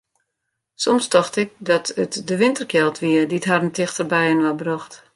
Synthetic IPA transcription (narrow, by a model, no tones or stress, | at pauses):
sɔmstɔxtɪk̚dɔtətdəʋɪntərkjɛlˠtʰʋiədiətɦarəntɪxtərbɛjənʋabrɔxt